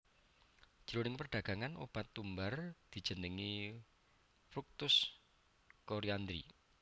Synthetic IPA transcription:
d̥ʒ̥ɾonɪŋpərɖ̪̥a̤ɡ̥a̤ŋanʔo̰b̥at̪ːumbard̪̥i̤d̥ʒ̥ə̤nəŋi | fɾuk̚t̪ʊs | koɾiand̪ɾḭ

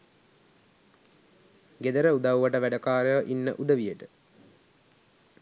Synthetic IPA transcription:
ɡed̪əɾəud̪awʋɐʈəʋæɖəkaːɾəʋəʔinːə̰ʔud̪əʋijəʈə

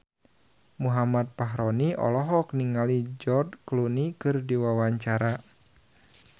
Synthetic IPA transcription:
muɦamat̪̚paɦɾɔniʔɔ̰lɔɦɔk̚niŋalid͡ʒɔrdklunikɨrdiwawaɲt͡ʃaɾa

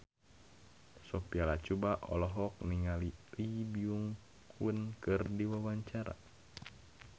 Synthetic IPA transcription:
sɔpialat͡ʃubaʔɔ̰lɔɦɔk̚niŋalilibiuŋ | kʰunkɨrdiwawaɲt͡ʃaɾa̰

